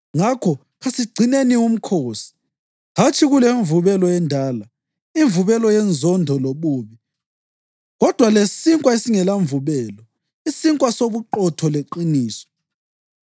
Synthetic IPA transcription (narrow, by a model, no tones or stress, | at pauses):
ŋakʰɔ | ɣasiɡ͡ǀʱinenium̩kʰoːsi̥ | ɦat͡ʃʰʼiɣuleɱvuβɛlɔjɛndʱaːla | iɱvuβɛlɔjɛnd͡zʱɔndʱɔloβuːβi | ɣɔd̥ʱwalessiŋkʼwaesiŋɛlaɱvuβɛːlɔ | isiŋkʼwasoβuǃɔtʰɔleǃiniːsɔ̥